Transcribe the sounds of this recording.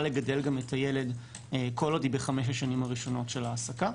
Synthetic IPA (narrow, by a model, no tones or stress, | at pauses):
le̞ɡade̞lɡametʰajele̞d | eko̞lodibeχameʃ̬aʃanimhaʁiʃo̞no̞tʃe̞laːsaka